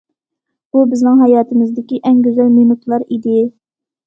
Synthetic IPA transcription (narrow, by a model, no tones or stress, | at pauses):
b̥ubɪznɪŋɦɑjɑːt̪ɨmɨzd̪ɪkʲiʔɛŋɡʲøzælminut̪ʰlˠɑɾid̪ɪ